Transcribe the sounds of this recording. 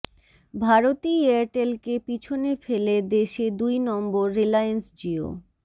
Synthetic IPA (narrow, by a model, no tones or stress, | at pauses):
bʱaɾot̪ieaɾʈelkepit͡ɕʰonefeled̪eʃed̪ujnɔmboɾːilajensd͡ʑio̰